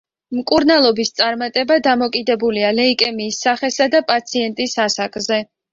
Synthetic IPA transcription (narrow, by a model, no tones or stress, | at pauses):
mkʼuɾnalˠɔbist̪sʼaɾmat̪ʼɛbad̪amɔkʼid̪ɛbulialɛikʼɛmiːsːaχɛsad̪apʼat̪sʰiɛnt̪ʼisasakʼzɛ